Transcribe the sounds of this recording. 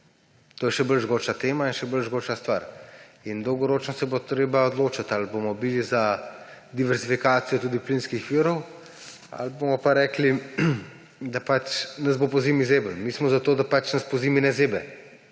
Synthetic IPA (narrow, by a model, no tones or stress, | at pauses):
t̪oːjɛʃɛbəlʒɡoːt͡ʃat̪eːmainʃɛbəlʒɡoːt͡ʃast̪ʋaːɾind̪ɔwɡɔɾoːt͡ʃnɔsɛbot̪ɾeːbaɔd̪loːt͡ʃat̪albomɔbiliza | d̪iʋɛɾzifikaːt̪sijɔt̪uːd̪iplinskixʋiːɾɔw | a̰lbomɔpaɾɛːkli | d̪apat͡ʃnɐzbopɔziːmizeːbəlmiːsmɔzat̪oːd̪apat͡ʃnɐspɔziːminɛzeːbɛ